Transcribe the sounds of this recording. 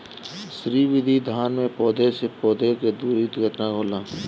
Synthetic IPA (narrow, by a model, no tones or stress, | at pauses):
ʃɾiːʋɪd̪ʱid̪ʱaːnmẽpɔːd̪ʱesepɔːd̪ʱeked̪uːɾit̪ɡʱəʈnakoːlãː